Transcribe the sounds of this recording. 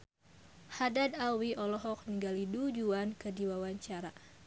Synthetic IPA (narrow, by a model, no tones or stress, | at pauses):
hadadawiʔɔlɔɦɔk̚niŋɡalidud͡ʒuankədiwawaɲt͡ʃaɾa